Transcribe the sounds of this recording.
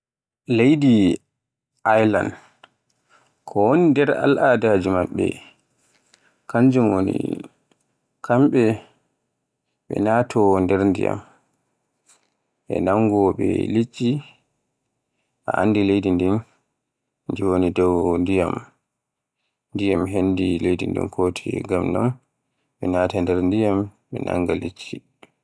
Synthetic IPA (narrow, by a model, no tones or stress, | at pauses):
lejdi | ʔajla̰n | kʰɔwonindɛɾa̰lʔaːdad͡ʒimaɓːɛ̰ | kaɲd͡ʒumwonḭ | kʰamɓɛ | ɓɛ̰naːtʰɔndɛɾndḭja̰m | ɓɛ̰naŋɡɓɛlit͡ʃʼːi | ʔaʔa̰nːdilejdindin | nd͡ʒiwonidɔwndijam | ndijamɦendilejdindḭnkʰoːtʰiɡamnɔ̰n | ɓɛnaːtandɛɾndijamɓɛnʔa̰ŋɡalit͡ʃːi